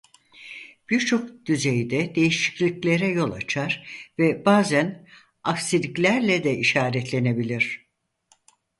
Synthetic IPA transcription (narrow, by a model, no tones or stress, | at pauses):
b̥iɾt͡ʃʰo̞k̚d̪̥yzejd̪ɛd̪e̞jiʃi̥clʲiclʲe̞ɾɛjo̞lˠa̰t͡ʃʰaɾvɛbaːzæn | aksilʲiclʲæɾlʲɛd̪ɛiʃaːɾɛt̪ʰlʲe̞ne̞bilʲiɾ̥